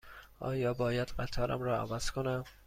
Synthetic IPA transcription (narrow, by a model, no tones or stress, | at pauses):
ʔɒ̰ːjɒːbɒːjæd̪̥ɢæt̪ʰɒːɾʔæ̰mɾɒːæ̰væz̥kʰonæm